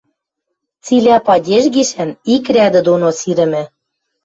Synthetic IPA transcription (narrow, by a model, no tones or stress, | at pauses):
t͡silʲæpɑdʲeʒɡiʃænikrʲæd̪ɘ̆d̪onosiɾɘ̆mɘ̆